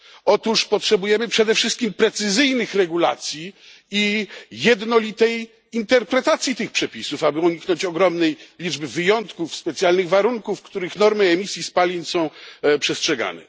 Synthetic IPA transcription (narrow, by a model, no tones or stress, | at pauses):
ɔt̪uʂpɔtʂɛbujɛmɘpʂɛd̪ɛfʂɘst̪̚kʲimpɾɛt̪sɘzɘjnɘxɾɛɡula̰t̪sʲji | ijɛd̪nɔlʲit̪ɛj | int̪ɛɾpɾɛt̪at̪sʲjit̪ɘxpʂɛpʲisufabɘuɲiknɔɲt͡ɕɔɡɾɔmnɛjlʲid͡ʐbɘvɘjɔnt̪kufspɛt̪sʲjalnɘɣvaɾuŋkufkt̪uɾɘxnɔɾmɘɛmʲisʲjispalʲiɲsɔ̃w̃pʂɛstʂɛɡa̰nɛ̰